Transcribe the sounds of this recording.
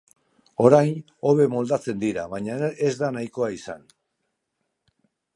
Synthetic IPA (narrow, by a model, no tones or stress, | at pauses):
o̞ɾajn | o̞βe̞mo̞ld̪at͡se̞nd̪iɾa̰βaɲaezd̪anajko̞aisa̰n